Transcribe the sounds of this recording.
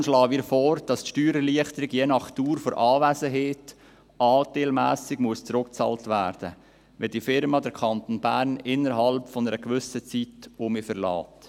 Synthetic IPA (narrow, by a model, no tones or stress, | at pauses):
nʃlɑːviːɾfɔːɾd̥ɑstʃtyːɾəliəχtəɾɪɡjeːnɑχtuːɾfɔɾʔɑːʋæsəɦeːt | ʔɑːteːlmæːsɪɡmuəst͡sɾʊk̚t͡sɑ̰ːltʋæːɾd̥ə | ʋɛdiːfɪɾmɑdɛɾkʰɑnt̪onbæːɾnɪnːəɾɦɑlpfɔnəɾəkʋʏsət͡sitomifəɾlɑ̰ːt